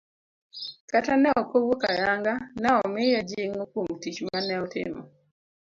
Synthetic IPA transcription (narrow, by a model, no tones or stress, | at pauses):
katanɛɔkowoka̰jaŋɡanɛɔmɪjad͡ʒɪŋokwomtit͡ʃmanɛɔtɪ̰mɔ̰